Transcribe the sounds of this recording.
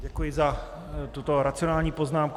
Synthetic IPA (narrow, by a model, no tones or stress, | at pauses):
ɟɛkujɪza | t̪ut̪o̞ɾat͡sɪonaːlɲiːpo̞znaːmk